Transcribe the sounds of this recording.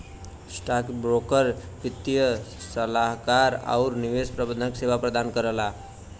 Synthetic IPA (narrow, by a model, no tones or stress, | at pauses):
sʈakbɾokəɾpit̪ijəsəlaɦkaɾa̰ʊɾniʋespɾəbə̃nd̪ʱəksebapɾəd̪ankəɾəla